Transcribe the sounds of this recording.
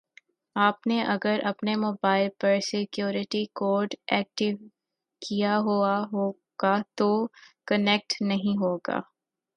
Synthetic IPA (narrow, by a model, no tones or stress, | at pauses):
aːpneʔɐɡəɾʔɐpnemoːbaːɪlpɐɾsɪkjuːɾɪʈikoːɾɖɛːk̚ʈɪʋ | kijaɦuːaɦoː | ɡ̥at̪okɐnɛk̚ʈnɐɦĩɦoːɡa̰ː